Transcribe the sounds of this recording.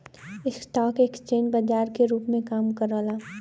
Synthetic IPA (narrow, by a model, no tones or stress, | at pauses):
ɪsʈɔːkeːkst͡ʃẽːd͡ʒbəd͡ʒaːɾkeɾuːpmẽkaːmkəɾəlaː